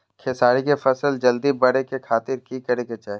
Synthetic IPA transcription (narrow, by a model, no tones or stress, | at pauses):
kʰɪsaːɾikefɐsəld͡ʒɐld̪ibɐɽekekʰaːt̪ɪɾkikɐɾeɡet͡ʃaːɦe